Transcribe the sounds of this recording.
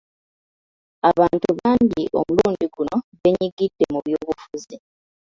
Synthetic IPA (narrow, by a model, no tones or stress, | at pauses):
aβaːntuβaːɲɟiʔo̞̰muluːndiɡuno̞βe̞ɲiɡid̥ːemuβjoːβufuzi